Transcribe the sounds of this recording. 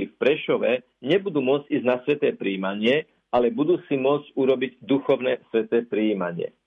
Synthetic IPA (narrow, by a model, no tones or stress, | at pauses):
ifpɾɛʃɔʋɛ | ɲɛbud̪uːmʊɔd͡zɟiːznasʋɛt̪ɛːpɾiːmaɲɪɛ | alɛbud̪uːsimʊɔt͡scuɾɔbiɟd̪uxɔʊnɛːsʋɛt̪ɛːpɾiiːmaɲɪɛ̰